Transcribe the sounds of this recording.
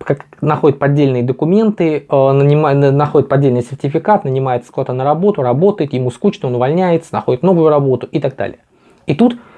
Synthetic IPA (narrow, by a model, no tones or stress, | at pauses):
kaknɐxo̞dʲɪt̪̚pɐdʲːelʲnɨjəd̪əkʊmʲe̞nt̪ɨənənʲɪmaənɐxodɪt̪pɐdʲːelʲnɨjsʲɪrtʲɪfʲɪkat̪nənʲɪmajɪt̪sə̥klˠat̪anəɾɐbo̞t̪ʊɾɐbo̞t̪əjɪt̪jɪmuskut͡ɕnəonʊvɐlʲnʲæjɪt̪sə̥nɐxo̞dɪt̪no̞vʊjʊɾɐbo̞t̪ʊʔɪt̪aɡ̚d̪a̰lʲɪ̰jə | it̪ut̪